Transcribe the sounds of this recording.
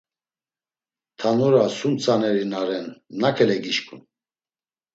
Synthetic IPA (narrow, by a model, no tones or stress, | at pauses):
t̪ʰanɔɾasunt͡sʰʼanɛɾinaɾɛnːakʰɛlɛɡiʃkʰʼṵn